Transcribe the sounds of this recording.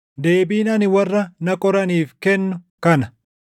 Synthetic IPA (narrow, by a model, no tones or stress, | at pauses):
d̪e̞ːbiːnɐnɪwɐrːɐnɐkʼɔɾɐniːfkɛnːʊ | kɐnɐ